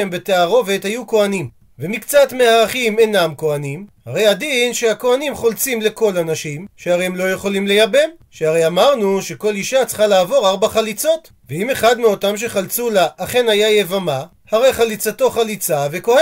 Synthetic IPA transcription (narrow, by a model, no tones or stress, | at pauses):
embe̞teaʁo̞ve̞thajuko̞anim | vemikt͡satmeaʁaχimenamko̞animhaʁe̞jadinʃeako̞animχo̞lt͡simle̞ko̞lanaʃimʃeaʁejhemlo̞je̞χo̞limle̞jabe̞m | ʃeaʁejamaʁnuʃe̞ko̞liʃat͡sχalaːvo̞ʁaʁbaχalit͡so̞t | veime̞χadmeo̞tamʃ̬e̞χalt͡sulaʔːχe̞najajevama | haʁe̞jχalit͡sato̞χalit͡save̞ko̞he